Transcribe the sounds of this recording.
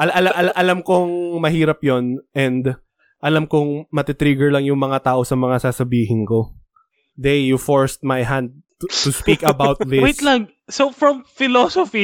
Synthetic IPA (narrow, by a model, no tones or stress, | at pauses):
ʔɐlʔɐlaʔɐlʔɐlamkoŋmɐɦiːɾɐpjonʔɛnd̪ | ʔɐlamkoŋmɐt̪it̪ɾiɡɛɹlaŋjʊŋmɐŋat̪aːʔo̞sɐmɐŋasaːsɐbiːɦɪnko̞ | d̪ɛjufoɹst̪̚majɦand̪̚ | t̪uspikɐbawt̪̚ðɪwejt̪laŋ | sofɹɐmfɪlosofi